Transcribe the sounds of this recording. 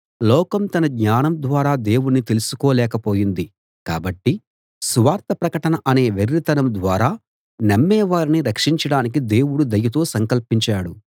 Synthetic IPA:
lɔːkɐmt̪ɐnɐɡɲaːnɐmd̪ʋaːɾaːd̪e̞ːwunːit̪e̞lusu̥kɔːlɛːkɐpo̞ːjind̪i | ka̰ːbɐʈːi | suʋaːɾt̪ɐpɾɐkɐʈɐnɐʔɐne̞ːʋeɾɾit̪ɐnɐmd̪ʋaːɾaː | nɐmːɛːʋaːɾiniɾɐkʂiɲt͡ʃɐɽaːnikid̪e̞ːwuɽud̪ɐjɐt̪o̞ːsɐŋkɐlpiɲt͡ʃaːɽu

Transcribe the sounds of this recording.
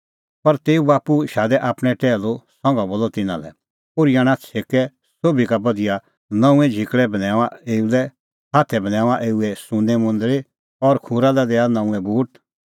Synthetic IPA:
pɐɾt̪eːubaːpuʃaːd̪ɛʔaːpɽ̃ɛʈɛːlosɔ̃ŋɡãboːlɔt̪ɪnã̰lɛ̰ | poːɾijaɽ̃at͡sʰeːkɛ | soːbikabɐd̪ija | nɐ̃ũɛ̃d͡ʒʱɪkɭɛbɐnɛ̃ːaeːulɛ | haːt̪ʰɛbɐnɛ̃ːʋaʔeːuɛsʊ̃nɛmʊ̃nd̪əɾe | ɔɾkʰũːɾalɛd̪ɛːanɐ̃ːũɛ̃bʱuːʈ

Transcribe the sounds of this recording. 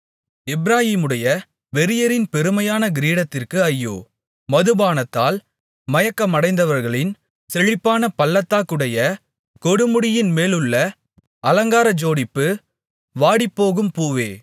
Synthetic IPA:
ɪbɾaːɣiːmɯɽɐjɐ | ʋɛɾɪjɐɾɪnpɛɾɯmɐjaːnɐɡɪɾiːɽɐt̪ːɪrkɯɐjːo̰ː | mɐðɯbaːnɐt̪ːaːl | mɐjɐkːɐmɐɽɐɪnd̪ɐʋɐɾɣɐɭɪn | sɛɻɪpːaːnɐpɐlːɐt̪ːaːkɯɽɐjɐ | kɔɽɯmɯɽɪjɪnmeːlɯɭːɐ | ʔɐlɐŋɡaːɾɐd͡ʒoːɽɪpːɯ | ʋaːɽɪpːoːɣɯmpuːʋḛː

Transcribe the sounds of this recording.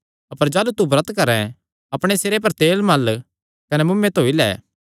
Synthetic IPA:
ɐpəɾd͡ʒaːlut̪ubɾət̪kɐɾɛ̃ | ɐpɽ̃eseːɾep̬ɐɾt̪eːlmɐl | kɐnɛmʊmːẽt̪oːilɛ̰ː

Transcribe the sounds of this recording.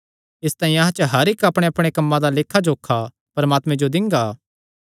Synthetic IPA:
ɪst̪ãːĩɐɦãt͡ʃəɦɐɾɪkɐpɽ̃eɐpɽ̃ekɐmːãd̪aleːkʰːad͡ʒoːkʰːa | pɐɾəmaːt̪mẽd͡ʒod̪ɪ̃ŋɡaː

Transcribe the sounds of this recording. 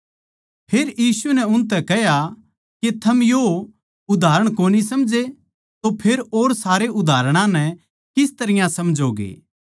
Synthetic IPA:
pʰeːɾjiːsunɛʊnt̪̬ɛkɛɦja | ket̪ʰɐmjo | ʊd̪ʱaːɾəɽ̃koːnisɐmd͡ʒe | t̪opʰeːɾoːɾsaːɾeʔʊd̪ʱaːɾɽ̃ãnɛ̃ | kɪst̪ɐɾɪjãsɐmd͡ʒoːɡḛː

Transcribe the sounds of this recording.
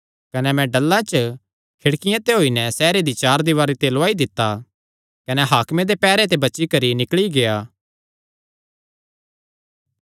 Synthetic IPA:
kɐnɛmɛ̃ɖɐlːãt͡ʃ | kʰɪɽkɪjãt̪eɦoːinɛsɛːɾed̪it͡ʃaːɾd̪iʋaːɾit̪eloaːid̪ɪt̪ːa | kɐnɛɦaːkmẽd̪epɛːɾet̪̬ebɐːt͡ʃikɐɾinɪkɭiɡejaː

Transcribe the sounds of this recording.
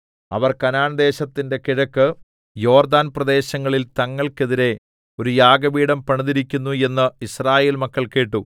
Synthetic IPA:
ɐ̰ʋɐrkɐnaːɳɐd̪e̞ːɕɐt̪ːinde̞kiɻɐkːɨ | jo̞ːrd̪aːnprɐd̪e̞ːɕɐŋːɐɭilt̪ɐŋːɐɭke̞ðiɾe̞ | o̞ɾujaːɡɐbiːɽɐmpɐɳiðiɾikʲːunːue̞nːɨisraːje̞ːlmɐkːɐɭke̞ːʈːu

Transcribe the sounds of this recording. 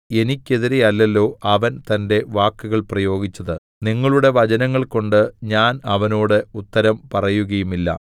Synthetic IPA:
e̞nikʲːe̞ðiɾe̞jɐlːɐlːo̞ːʔɐʋɐnt̪ɐnde̞ʋaːkːuɣɐɭprɐjo̞ːɡit͡ɕːɐðɨ | niŋːɐɭuɽe̞ʋɐd͡ʑɐnɐŋːɐɭko̞ɳɖɨɲaːnɐʋɐnoːɽeut̪ːɐɾɐmpɐrɐjuɣɐjumilːɐ̰

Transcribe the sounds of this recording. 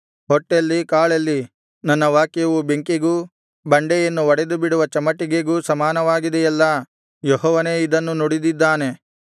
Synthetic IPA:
hɔʈːelːikaːɭɐlːi | nɐnːɐʋaːkjɐʋubeŋkiɡuː | bɐɳɖejɐnːuʋɐɽed̪ubiɽuʋɐt͡ʃɐmɐʈːiɡeɡuːsɐmaːnɐʋaːɡid̪ɛjɛlːɐ | jɔɦɔːʋɐne̞ːid̪ɐnːunoɽid̪id̪ːaːne̞

